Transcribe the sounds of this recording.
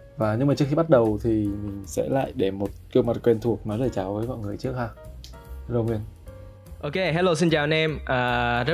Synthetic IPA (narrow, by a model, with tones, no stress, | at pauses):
vaː˨˩ɲɨ˧ŋmaː˨˩t͡ɕɨ˦˥əxi˧ɓa˦˥t̚ɗə˨˩wt̪ʰi˨˩mï˨˩ŋ̟sɛ̰˧˥la̰ː˧˨jɗe˧˩mo˨˩t̚ki˧əwma˨˩t̚kwe˧nt̪ʰu˨˩ək̚nɔ˨˦zləː˨˩jt͡ɕaː˨˦wvəː˨˦jmɔ̰˧˨jŋɨ˨˩əjt͡ɕɨ˦˥ək̚haː˧ | hlo˧ŋwi˧ən | ʔo˧ke˧ɦɛ˧˦lo˧˩s̬i˧nt͡ɕaː˨˩nɛ˧mʔaː˨˩zə˦˥